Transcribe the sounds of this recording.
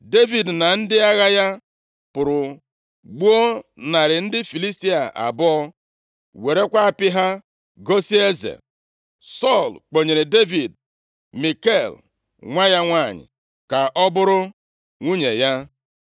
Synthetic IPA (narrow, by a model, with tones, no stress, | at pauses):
de˦vi˨dna˨n̩˦dɪ˦a˦ɣa˦ja˦ | pʊ˨ɾʊ˨ | ɡ͡bu˦o˦na˨ɾɪ˨n̩˦dɪ˦fi˨li˦sti˦a˨ʔa̰˨bɔ˦ɔ˦ | we˨ɾe˦kʷa˦a˨pɪ˦ɦa˦ | ɡo˦si˦e˦zḛ˨ | sɔ˦˨lk͡po˨ɲe˨ɾe˨de˦vi˨d | mi˨ke˦˨l | ŋʷa˦ja˦ŋʷa˦˨ɲɪ̰˨ | ka˨ʔɔ˦bʊ˦ɾʊ˦ | ŋʷu˦ɲe˨ja˦